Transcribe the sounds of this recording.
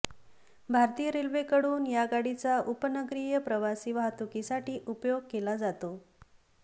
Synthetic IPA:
bʱaɾt̪ijəɾelʋekəɽuːnjaɡaɽit͡saʔupənəɡɾijəpɾəʋasiːʋaɦat̪ukisaʈiːʔupjoɡ̚kelad͡zat̪o

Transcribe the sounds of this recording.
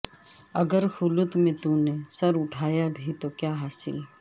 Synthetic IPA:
ɐɡəɾhʊlʊt̪mẽt̪ũːnesɐɾʊʈʰaːjabʱit̪okjaːɦaːsɪ̰l

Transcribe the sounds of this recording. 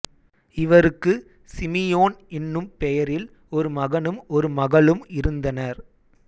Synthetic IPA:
ɪʋɐɾɯkːɯ | sɪmɪjoːnɪnːɯmpɛjɐɾɪl | ɔɾɯmɐɣɐnɯmɔɾɯmɐɣɐɭɯmɪɾɯnd̪ɐnɐɾ

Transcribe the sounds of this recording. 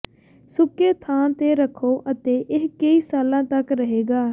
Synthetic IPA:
sʊkːeːt̪ʰaːnt̪eːɾəkʰːoːʔət̪eːʔɪɦkəiːsaːlãːt̪əkɾəɦeːɡaː

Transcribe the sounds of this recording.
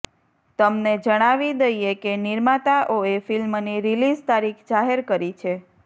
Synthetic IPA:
t̪əmned͡ʒəɽ̃aʋid̪əjekeniɾmat̪aʔoefilmniɾilizt̪aɾikʰd͡ʒaɦeɾkəɾit͡ʃʰe

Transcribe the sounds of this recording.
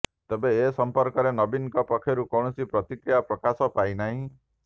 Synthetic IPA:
t̪ebeːsɔmpɔɾkɔɾenɔbinkɔpɔkʰːjɔɾukɔwɳ̃ɔsipɾɔt̪ikɾijapɾɔkasɔpajnaɦĩ

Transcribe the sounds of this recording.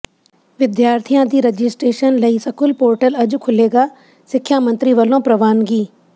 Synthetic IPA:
ʋɪd̪jaːɾt̪ʰijãd̪iːɾɐd͡ʑɪsʈɾeːʃənlɐisɐkʊlpoːɾʈəlɐd͡ʑʊ̆kʰʊleːɡaː | sɪkʰjaːmɐ̃nt̪ɾiʋɐlõpɾɐʋaːnɡiː

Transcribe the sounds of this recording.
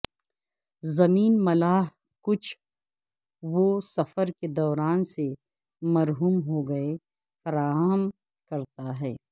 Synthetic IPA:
zɐmiːnmɐlaːɦ | kʊt͡ʃʰ | ʋosɐfəɾked̪ɔːɾaːnse | mɐɾɦuːmɦoɡɐe | fɐɾaːɦəm | kɐɾt̪aɦɛː

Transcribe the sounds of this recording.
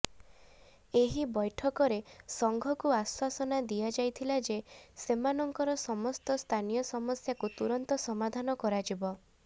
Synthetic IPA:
eɦibɔjʈʰɔkɔɾesɔŋɡʱɔkuaswasɔnad̪ijad͡ʒajt̪ʰilad͡ʒesemanɔŋkɔɾɔsɔmɔst̪ɔst̪ʰanijɔsɔmɔsjakut̪uɾɔnt̪ɔsɔmad̪ʱanɔkɔɾad͡ʒibɔ

